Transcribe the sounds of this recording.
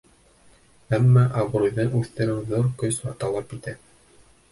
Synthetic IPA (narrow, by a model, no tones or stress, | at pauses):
æmːɑʔɑβɾujðɤnʉθt̪ɘ̆ɾɘnðoɾkɵsɑt̪ɑlˠɑpit̪æ